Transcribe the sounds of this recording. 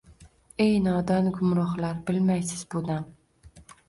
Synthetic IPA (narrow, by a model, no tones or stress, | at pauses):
e̞jnɒd̪ɒnɡʊmɾɒχlaɾbɪlmajsɪzbod̪an